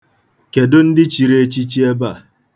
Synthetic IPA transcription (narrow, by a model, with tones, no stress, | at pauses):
ke˨dʊ˦n̩˦dɪ˦t͡ʃi˨ɾe˦t͡ʃi˦t͡ʃi˦e˦ba˦˨